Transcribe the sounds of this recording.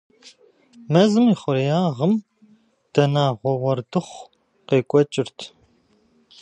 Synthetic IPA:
mɐzɨmiːχʷʊɾjaːʁəm | d̥ɐnaːʁʷɔʁʷɔrdɨχʷ | qeːkʷʼɔt͡ʃʼɪrtʰ

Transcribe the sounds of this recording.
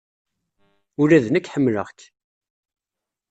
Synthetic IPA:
ʊɾæðnəkːħəmːləʁt̪

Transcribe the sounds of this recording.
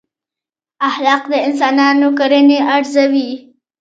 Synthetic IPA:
ahlɑqd̪əɪns̬ɑnɑnokaɾəneʔaɾzawi

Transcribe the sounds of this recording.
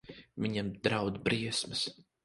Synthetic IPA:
viɲamd̪ɾawd̪bɾiɛsmɐs

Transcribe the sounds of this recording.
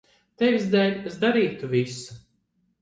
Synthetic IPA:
t̪evʲizd̪ælʲezd̪aɾiːt̪uvʲisu̥

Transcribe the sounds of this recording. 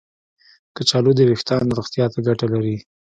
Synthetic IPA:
kət͡ʃɑlod̪əwɪxt̪ɑnɾoxt̪jɑt̪aɡaʈalaɾi

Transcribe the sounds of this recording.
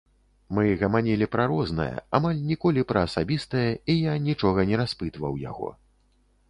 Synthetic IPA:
mɨɣɐmanʲɛlʲipɾaɾɔznɐ̰jɐ̰amalʲnʲikɔlʲipɾɐːsabʲist̪ɐjɐijanʲit͡ʂɔɣɐnʲɛɾaspɨt̪vɐwja̰ɣɔ̰

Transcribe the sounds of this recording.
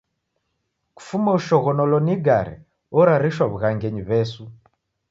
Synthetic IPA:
ku̥fumauʃɔɣɔnɔlɔniɡaɾɛ̰ | ɔɾaɾiʃwaβuɣaŋɡɛɲiβɛsu

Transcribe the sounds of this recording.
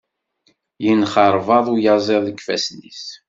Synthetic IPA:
jənχəɾˤvɑðˤujɑzˤeðˤəkfæ̰snis

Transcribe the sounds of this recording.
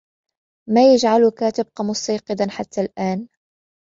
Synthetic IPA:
maːjad͡ʒʕalʊkaːt̪ɪb̚qɑmʊsɑjqɨd̪anħat̪ʰːalʔaːn

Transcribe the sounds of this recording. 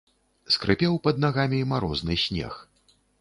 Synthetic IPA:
skɾɨpʲɛwpɐd̪̚naɣamʲimaɾɔznɨsʲnʲɛ̰x

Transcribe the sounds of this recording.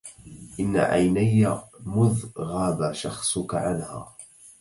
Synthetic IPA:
ʔɪnːa̰ʕa̰jnajːamʊðɣaːðaʃɑxsˤʊkaʕanha̰ː

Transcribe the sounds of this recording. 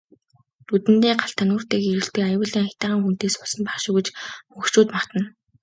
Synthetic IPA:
t̪ut̪ɘ̆nt̪eːɢaɬt̪ʰanuːr̥t̪eːkeɾɘ̆ɬt̪ĕkajʊːɮiːŋʰʲt̪aːʁaːŋxun̥t̪eːsʊsə̆mpaχʃʊːɣĕt͡ɕpɵxt͡ɕuːt̪maχt̪ə̆n

